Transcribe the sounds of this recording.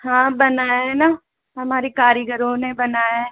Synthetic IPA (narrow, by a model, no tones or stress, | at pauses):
hãːbɐnaːjɛna | ɦɐmaːɾikaːɾjəɡəɾõnebɐnaːja